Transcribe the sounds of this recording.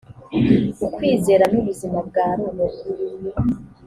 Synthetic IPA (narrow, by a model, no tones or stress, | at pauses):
ukwiːze̞ːɾanuβuzimabɡaːɾonebɡuɾimje